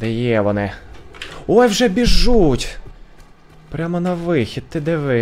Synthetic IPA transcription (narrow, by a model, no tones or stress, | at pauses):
d̪ɛjɛʋɔnɪ | ɔjwʒɛbʲiʒːutʲ | pɾʲamɔnɐʋɪxʲid̪̚t̪ːɪd̪ɛʋɪ